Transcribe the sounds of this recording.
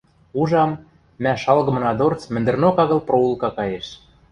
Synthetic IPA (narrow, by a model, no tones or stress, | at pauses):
uʒɑmː | æʃɑlɣɤ̆mɤ̆nɑd̪ort͡smɘ̆nd̪ɘ̆rnokɑɣɤ̆lproulˠkɑkɑjeʃ